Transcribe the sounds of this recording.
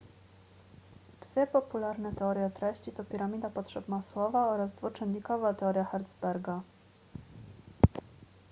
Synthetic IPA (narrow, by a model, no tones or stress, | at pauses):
d̪̥vʲjɘpɔpulaɾnɛt̪ɛɔɾʲjɛt̪ɾɛɕt͡ɕit̪ɔpʲiɾamʲid̪apɔt̪ʂɛbmaswɔvaɔɾazd̪vɔt͡ʂɛnːikɔvat̪ɛɔɾʲjaxaɾd̪zbɛɾɡa